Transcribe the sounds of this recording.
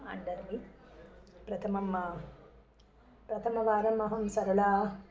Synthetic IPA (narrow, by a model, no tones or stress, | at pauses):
ɐ̰ɳɖɐɾmi | pɾɐt̪ʰɐmɐmːɐ | pɾɐt̪ʰɐmɐʋaːɾɐmɐɦɐnsɐɾɐlaː